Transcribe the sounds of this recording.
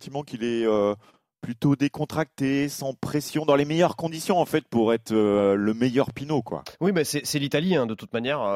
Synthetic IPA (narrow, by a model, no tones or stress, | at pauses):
sɑ̃t̪imɑ̃kilɛø | plyt̪od̪ekɔ̃t̪χak̚t̪esɑ̃pχesjɔ̃d̪ɑ̃lemejœʁkɔ̃d̪isjɔ̃ɑ̃fɛt̪̚puʁɛt̪χøləmejœʁpinokwa̰wibɛsɛsɛlit̪aliɛ̃d̪ət̪ut̪manjɛʁø